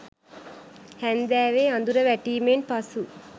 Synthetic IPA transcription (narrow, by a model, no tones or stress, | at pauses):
hænd̪æːʋeːand̪uɾəʋæʈiːmenpasu